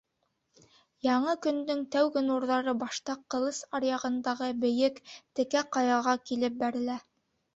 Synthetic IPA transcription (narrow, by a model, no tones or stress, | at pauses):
jɑɴɤkɵ̆nd̪ɵŋt̪æwɡɘnuɾðɑɾɤbɑʃt̪ɑqːɤ̆lˠɤsɑɾjɑʁɤ̆nd̪ɑʁɤbɘ̆jɘkt̪ɘ̆kæqɑjɑʁɑkilɘp̚bæɾɘ̆læ